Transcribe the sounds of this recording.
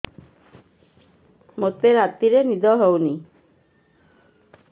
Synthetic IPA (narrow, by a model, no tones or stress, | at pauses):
mot̪eɾat̪ːiɾenid̪ɔɦowni